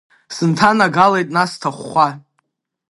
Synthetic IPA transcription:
sɨntʰanaɡalejtʼnastʰaχʷːa

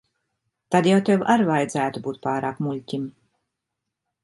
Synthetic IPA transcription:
t̪ad̪jawt̪ʲewaɾvajd̪zæːt̪ubuːt̪̚paːɾaːkmulʲcʲim

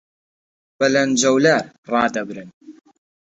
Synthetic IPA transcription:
b̥ɐlɐnd͡ʒɐwlaɾ | rˤɑːd̪ɐbɾɨn

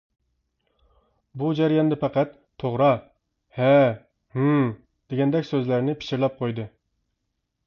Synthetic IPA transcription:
bud͡ʒɛɾijɑnd̪ɛpʰæqæt̪ʰːoʁɾɑ | hɛ | h | d̪̥eɡʲɛnd̪ɛkʲsøzlæɾnɪpʰi̥ʃiɾlˠɛp̚qʰojd̪ɨ

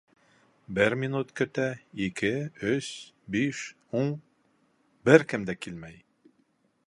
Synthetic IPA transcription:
bɘɾmʲinut̪kɵ̆t̪æikɘɵs | biʃ | uɴ | bɘɾkɘmd̪ækilmæj

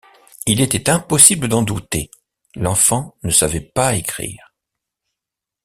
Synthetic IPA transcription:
ilet̪ɛt̪ɛ̃pɔsibləd̪ɑ̃d̪ut̪ḛ | lɑ̃fɑ̃nəsavɛpaekχḭːʁ

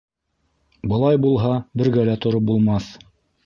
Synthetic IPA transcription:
bɤ̆lˠɑjbulˠɦɑbɘ̆ɾɡælæt̪ŏɾop̚bulˠmɑθ

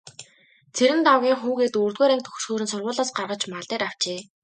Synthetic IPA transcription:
t͡sʰeɾɘ̆nt̪awɣʲiːŋχuːɣeːt̪uːrt̪ɣeːɾæːŋk̚t̪ʰɵ̥xsxuːɾɘ̆nsʊrʁʊːɮɔːsɢarʁə̆t͡ɕmaɮt̪eːɾaw̥t͡ɕeː

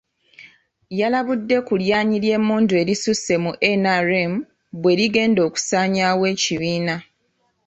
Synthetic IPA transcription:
jalaβudːe̞kuljaːɲiɾje̞ːmuːndue̞ːɾisuse̞muʔenaɾem | bwe̞ɾiɡe̞ːndo̞ːku̥saːɲawe̞ːciβiːna

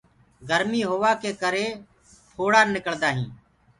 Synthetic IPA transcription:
ɡʱəɾmiːɦoːʋaːkeːkəɾeː | pʰoːɽaːnɪkəɭd̪aːɦĩː

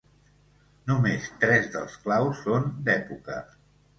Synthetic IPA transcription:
numest̪ɾɛzðəlˠsklawsːond̪ɛpukə̰

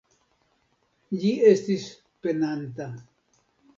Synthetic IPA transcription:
ʎiest̪is | penant̪a

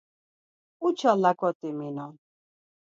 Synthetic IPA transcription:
ut͡ʃʰalakʼɔt̪ʼiminɔn

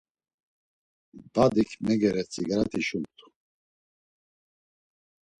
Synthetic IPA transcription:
bad̪ikʰmɛɡɛɾɛt͡sʰʼḭɡɾat̪ʰiʃumt̪ʰʼu̥

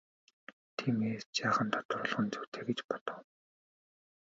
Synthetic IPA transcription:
t̪ʰiːmeːst͡ɕaːχə̆nt̪ʰɔ̥t̪̆rʊ̆ɮʁə̆nt͡suwt̪ʰeːɣĕt͡ɕpɔ̥t̪ɞ̆w

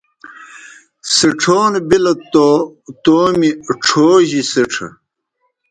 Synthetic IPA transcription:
siʈ͡ʂʰoːnbilɐt̪ot̪oːmiʈ͡ʂʰoːʑisiʈ͡ʂʰɐ̰

